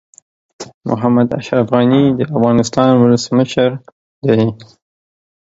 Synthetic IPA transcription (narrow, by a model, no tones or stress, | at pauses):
mʊ̰ɦamad̪a̰ʃɾafɣanid̪əafɣɑnɪst̪ɑnwʊləsməʃəɾ | d̪ai